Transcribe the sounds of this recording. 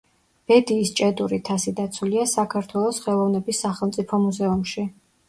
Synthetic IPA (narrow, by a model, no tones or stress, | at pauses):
b̥ɛd̪iːst͡ʃʼɛd̪uɾit̪ʰasid̪at̪sʰuliasakʰaɾt̪ʰwɛlˠɔsχɛlˠɔvnɛbisːaχɛlˠmt̪sʼipʰɔmuzɛumʃi